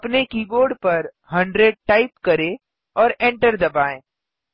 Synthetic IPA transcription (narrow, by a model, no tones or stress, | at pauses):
pnekiːboːɾɖpɐɾ | ɦɐ̃ɳɖɾeɖ̚ʈaːɪpkɐɾẽ | ɔːɾẽːɳʈəɾd̪ɐbaːẽː